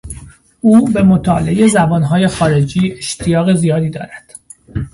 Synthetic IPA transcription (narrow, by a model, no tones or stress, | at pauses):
uːbe̞mot̪ʰɒːleejezæbɒːnɦɒːje̞xɒːɾe̞d͡ʒiːe̞ʃt̪ʰijɒːɣe̞zijɒːd̪iːd̪ɒ̰ːɾæd̪̥